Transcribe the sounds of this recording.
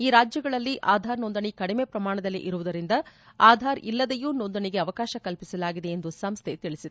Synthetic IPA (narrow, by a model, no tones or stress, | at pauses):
iːɾaːd͡ʒjɐɡɐɭɐlːiʔʔaːd̪ʱaːɾnond̪ɐɳikɐɽime̞ːpɾɐmaːɳɐd̪ɐlːḭʔiɾuʋud̪ɐɾind̪ɐaːd̪ʱaːɾḭlːɐd̪ejuːnond̪ɐɳiɡe̞ɐʋɐkaːʃɐkɐlpisɐlaːɡid̪e̞ːnd̪usɐmst̪ʰet̪iɭisid̪